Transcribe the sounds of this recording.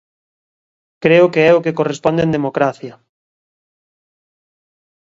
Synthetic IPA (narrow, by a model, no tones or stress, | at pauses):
kɾeʊkeɛʊkekorespɔnd̪ẽnd̪emokɾaθjɐ